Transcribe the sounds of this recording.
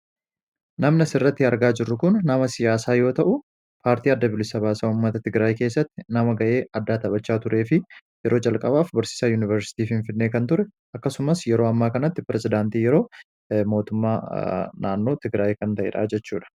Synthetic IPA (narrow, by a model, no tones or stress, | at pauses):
nɐmnɐsɪrːɐt̪ːɪɐɾɡaːd͡ʒɪrːʊkʊnːɐmɐsɪjaːsaːjo̞ːt̪ɐʔʊ | pʰaːɾt̪iːɐd̪ːɐbɪlɪsɐβaːsaːʊmːɐt̪ɐt̪ɪɡɾaːjke̞ːsːɐt̪ːɪnɐmɐɡɐʔe̞ːɐd̪ːaːt̪ɐbɐt͡ʃːaːt̪ʊɾʔe̞ːfɪ | jɛɾʔo̞ːd͡ʒɐlkʼɐbaːfbɐɾsɪ̥saːjuːnɪvɛɾsɪ̥t̪iːfɪnfɪnːe̞ːkɐnt̪ʊɾɛ | ʔɐkːɐsʊmɐsjɛɾo̞ːɐmːaːkɐnɐt̪ːɪpɪɾɛzɪd̪aːnt̪iːjɛɾo̞ː | mo̞ːt̪ʊmːaːnaːnːo̞ːt̪ɪɡɾaːjkɐnt̪ɐʔɛ̰ːᶑa̰ːd͡ʒɛt͡ʃːuːᶑɐ̥